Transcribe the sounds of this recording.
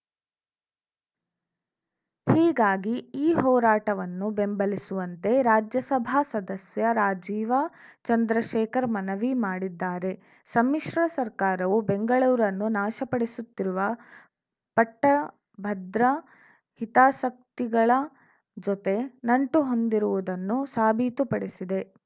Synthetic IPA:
hiːɡaːɡiiːɦɔːɾaːʈɐʋɐnːube̞mbɐlisuʋɐnt̪e̞ɾaːd͡ʒjɐsɐbʱaːsɐd̪ɐsjɐɾaːd͡ʒiːʋat͡ʃɐnd̪ɾɐʃɛːkɐɾmɐnɐʋimaːɽid̪ːaːɾe̞ | sɐmːiʂɾɐsɐɾkaːɾɐʋubeŋɡɐɭuːɾɐnːunaːʃɐpɐɽisut̪ːiɾuʋɐ | pɐʈːɐ | bʱɐd̪ɾɐ | hit̪aːsɐk̚t̪iɡɐɭɐ | d͡ʒot̪e̞nɐɳʈuɦo̞nd̪iɾuʋud̪ɐnːusaːbʱiːt̪upɐɽesid̪e̞

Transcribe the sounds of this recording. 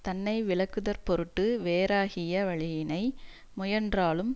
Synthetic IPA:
t̪ɐnːɐɪʋɪɭɐkːɯðɐɾpɔɾɯʈːɯʋeːɾaːɣɪjɐʋɐɭɪjɪnɐɪ | mʊjɐndraːlɯm

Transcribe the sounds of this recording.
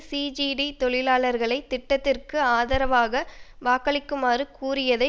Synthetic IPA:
siːd͡ʒiɖit̪ɔɭɪlaːɭɐɾɣɐɭɐɪt̪ːɪʈːɐt̪ːɪrkɯaːðɐɾɐʋaːɣɐʋaːkɐɭɪkːɯmaːɾɯkuːrɪjɐðɐɪ

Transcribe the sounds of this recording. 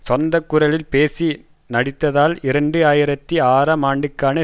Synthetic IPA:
sɔnd̪ɐkːɯɾɐlɪlpeːsi | nɐɽɪt̪ːɐðaːlɪɾɐɳɖɯaːjɪɾɐt̪ːiaːɾɐmaːɳɖɯkːaːnɐ

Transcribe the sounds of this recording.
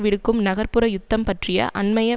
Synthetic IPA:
ʋɪɽɯkkːɯmnɐɣɐɾpɯɾɐjʊt̪ːɐmpɐʈrɪjɐ̰ʔɐnmɐjɐ

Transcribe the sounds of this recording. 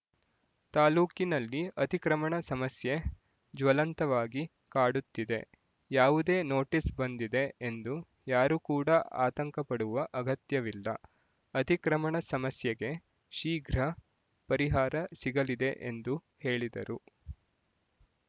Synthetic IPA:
t̪aːluːkinɐlːiɐt̪ikɾɐmɐɳɐsɐmɐsje̞ | d͡ʒʋɐlɐnt̪ɐʋaːɡi | kaːɽut̪ːid̪e̞̰ | jaːʋud̪e̞ːno̞ːʈisbɐnd̪id̪e̞end̪u | jaːɾukuːɽɐa̰ːt̪ɐŋkɐpɐɽuʋɐʔɐɡɐt̪jɐʋilːɐ̰ | ɐt̪ikɾɐmɐɳɐsɐmɐsjɐɡe̞ | ʃiːɡɾɐ | pɐɾiɦaːɾɐsiɡɐlid̪e̞ʔḛnd̪u | he̞ːɭid̪ɐ̰ɾu

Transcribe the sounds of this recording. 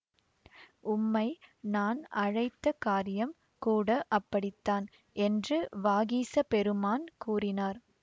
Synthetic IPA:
ʊmːɐɪnaːnɐɻɐɪt̪ːɐkaːɾɪjɐm | kuːɽɐʔɐpːɐɽɪt̪ːaːn | ɛndrɯʋaːɣiːsɐpɛɾɯmaːnkuːrɪnaːɾ

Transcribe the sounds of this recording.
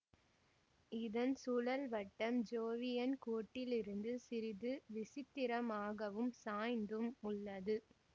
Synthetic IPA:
ɪðɐnsʊlɐlʋɐʈːɐmd͡ʒoːʋɪjɐnkoːʈːɪlɪɾɯnd̪ɯsɪɾɪðɯʋɪsɪt̪ːɪɾɐmaːɣɐʋɯmsaːjnd̪ɯmʊɭːɐðɯ

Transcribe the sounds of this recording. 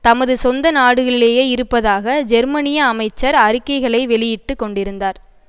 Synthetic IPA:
t̪ɐmɐðɯsɔnd̪ɐnaːɽɯɣɐɭɪleːjeːɪɾɯpːɐðaːɣɐd͡ʒɛɾmɐnɪjɐːmɐɪt͡ʃːɐɾɐɾɯkːɐɪɣɐɭɐɪʋɛɭɪjɪʈːɯkːɔɳɖɪɾɯnd̪aːɾ

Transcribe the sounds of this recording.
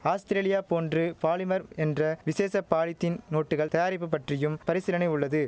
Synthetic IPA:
aːst̪ɪɾeːlɪjaːpoːndrɯpaːlɪmɐɾɛndrɐʋɪseːsɐpːaːɻɪt̪ːɪnnoːʈːɯɣɐɭt̪ɐjaːɾɪpːɯpːɐʈrɪjɯmpɐɾɪsɪlɐnɐɪʊɭːɐðɯ

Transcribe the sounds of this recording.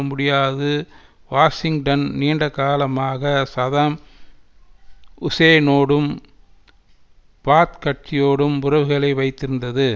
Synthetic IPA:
mʊɽɪjaːðɯ | ʋaːsɪŋɡʈɐnniːɳɖɐkaːlɐmaːɣɐsɐðɐm | ʊseːnoːɽɯm | paːt̪kɐʈ̚t͡ʃɪjoːɽɯmʊɾɐʋɯɣɐɭɐɪʋɐɪt̪ːɪɾɯnd̪ɐðɯ

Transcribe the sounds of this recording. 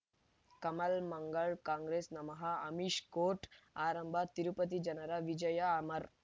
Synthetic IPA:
kɐmɐlmɐŋɡɐɭkãːŋɡɾeːsnɐmɐɦɐɐmiʃkoːʈaːɾɐmbʱat̪iɾupət̪̬id͡ʒɐnɐɾaʋid͡ʒɐjɐːmɐɾ

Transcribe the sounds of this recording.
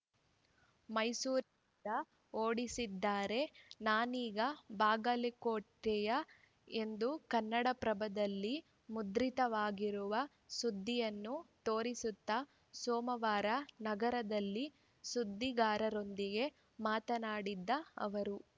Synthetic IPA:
mɐjsuːɾi | nd̪ɐ | oːɽisid̪ːaːɾe̞naːniːɡɐbaːɡɐlikoːʈːɛjɐ | e̞nd̪ukɐnːɐɽɐpɾɐbɐd̪ɐlːi | mud̪ɾit̪ɐʋaːɡiɾuʋɐ | sud̪ʱːijɐnːut̪oːɾisut̪ːɐ | soːmɐʋaːɾɐnɐɡɐɾɐd̪ɐlːi | sud̪ːiɡaːɾɐɾo̞nd̪iɡe̞ | maːt̪ɐnaːɽid̪ːɐɐ̰ʋɐɾu

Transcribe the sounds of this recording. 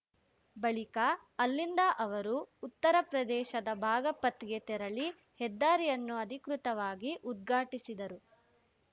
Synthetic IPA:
bɐɭikɐː | lːind̪ɐʔɐʋɐɾuːt̪ːɐɾɐpɾɐd̪ɛːʃɐd̪ɐbʱaːɡɐpɐt̪ɡet̪ɛɾɐɭi | hɛd̪ːaːɾijɐnːuɐd̪ʱikɾut̪ɐʋaːɡiʔud̪̚ɡʱaːʈisid̪ɐɾu

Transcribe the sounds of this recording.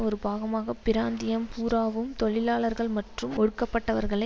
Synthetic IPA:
ɔɾɯbaːɣɐmaːɣɐpːɪɾaːnd̪ɪjɐmpuːɾaːʋɯmt̪ɔɭɪlaːɭɐɾɣɐɭmɐʈrɯmɔɻɯkːɐpːɐʈːɐʋɐɾɣɐɭɐ

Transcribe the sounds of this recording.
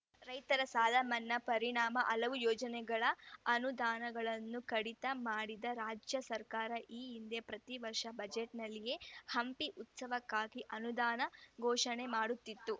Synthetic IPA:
ɾɐjt̪ɐɾɐsaːd̪ʱɐmɐnːɐpɐɾiɳaːmɐʔɐlɐʋujɔːd͡ʒɐnɛɡɐɭɐɐnud̪aːnɐɡɐɭɐnːukɐɽit̪ɐmaːɽid̪ɐɾaːd͡ʒjɐsɐɾkaːɾɐʔiːind̪epɾɐt̪iʋɐɾʂɐbɐd͡ʒeʈnɐlːije̞hɐmpiʔut̪sɐʋɐkːaːɡiʔɐnud̪aːnɐɡʱɔːʂɐɳe̞maːɽut̪ːit̪ːu

